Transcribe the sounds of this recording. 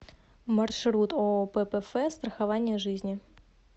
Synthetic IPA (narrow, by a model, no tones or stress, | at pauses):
mɐrʂɾut̪opɛpɛfɛst̪ɾəxɐvanʲɪjəʐɨzʲnʲɪ